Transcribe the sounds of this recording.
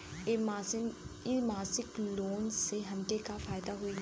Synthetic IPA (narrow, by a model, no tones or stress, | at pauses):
imaːsɪkloːnseɦɐ̃ɳʈekafaːɪd̪aɦoi